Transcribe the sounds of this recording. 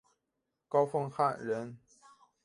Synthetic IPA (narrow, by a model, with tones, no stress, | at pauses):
kɑ˥˦ʊfɤ˥ŋxa˥˨nɻə˨˧˥n